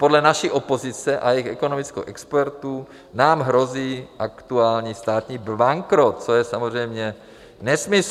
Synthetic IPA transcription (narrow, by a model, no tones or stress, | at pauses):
podlɛnaʃiʔo̞po̞zɪt͡sɛʔa̰jɛjixɛko̞nomɪt͡sko̰wʔɛkspɛɾt̪uː | naːmɦɾo̞ziːʔakt̪uaːlɲiːst̪aːt̪ɲiːbaŋkɾot̪̚t͡sojɛsamozr̝ɛjmɲɛ | nɛsmɪs